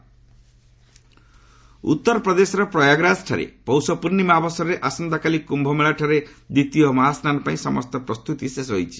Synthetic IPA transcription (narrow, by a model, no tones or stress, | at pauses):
ṵt̪ːɔɾɔpɾɔd̪esɔɾɔpɾɔjaɡɾasʈʰaɾḛpɔwsɔpuɾnimabɔsɔɾɾeʔasɔnd̪akalikumbʱɔmeɭaʈʰaɾed̪it̪iɔmaɦasnanɔpaĩsɔmɔst̪ɔpɾɔst̪ut̪isesɦojt͡ʃʰi̥